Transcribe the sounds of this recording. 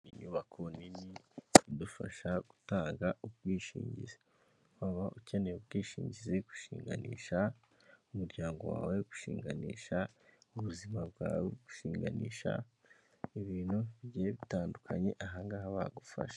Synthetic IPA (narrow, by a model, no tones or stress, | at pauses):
iɲuːβakʰoninidufa̰ʃaɡ̥u̥taːŋɡaubɡiːʃḭːɲɟḭze | waβaʔuceneubɡiːʃiːɲɟizeɡu̥ʃiːŋɡa̰nḭːʃa | umuɾɟaːŋɡo̞̰wa̰ːweɡu̥ʃḭːŋɡaniːʃa | uβuzimabɡaːweɡu̥ʃiːŋɡa̰niːʃa̰ | iβiːnhuβiɟieβitaːndukʰaɲe̞̰ʔaɦaŋɡaːhaβaɡufa̰ʃḁ